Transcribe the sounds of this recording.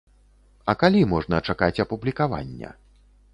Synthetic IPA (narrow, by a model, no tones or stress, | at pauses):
ɐkalʲimɔʐnɐt͡ʂakat͡sʲɐpublʲikava̰nʲːɐ̰